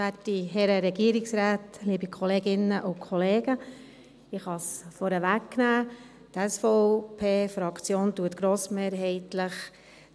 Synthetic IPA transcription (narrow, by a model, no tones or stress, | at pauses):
ætiɦɛɾəɾɛɡ̥iəɾɪksɾaːtliːbikʰɔleːɡɪnːəʔʊkʰɔleːɡ̥ə | ɪχhɑsfɔɾəʋækːnæː | tɛsfɔpʰeːfɾɑkt͡sjoːntuətɡ̥ɾoːsmeːɾɦɛɪtləχ